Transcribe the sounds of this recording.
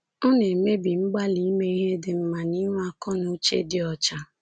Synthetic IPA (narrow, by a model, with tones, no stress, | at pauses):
ɔ˦ne˨me˦bi˨ŋ͡m̩˦ɡ͡ba˦li˨˦me˦i˦ɦe˦dɪ˨m̩˦ma˨ni˦ŋ˦a˦kɔ˦nʊ˦t͡ʃḛ˦dɪ˦ɔ˨t͡ʃa˦